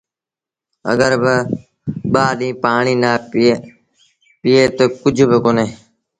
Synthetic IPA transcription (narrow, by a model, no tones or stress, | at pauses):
ə̰ɠəɾbɪ | ɓaːɗĩːpaːɳiːnaː | piːeːt̪oːkʊd͡ʒʱbɪkoːneː